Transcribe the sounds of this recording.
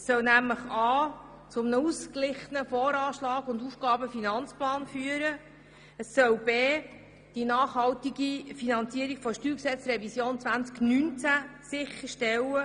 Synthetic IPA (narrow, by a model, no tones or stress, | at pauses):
sœwnæmləχɑː | t͡sʊmnəusklɪχənəfɔːɾɑːʃlɑːɡʊndufɡ̥ɑːbəfinɑnt͡splɑːnfyːəɾə | əsːœwbeː | d̥inɑːχhɑltiɡifinɑnt͡siəɾikfɔʃtyːksɛt͡sɾɛvisjoːnt͡sʋænt͡sknynt͡sæsɪχəɾʃtɛlə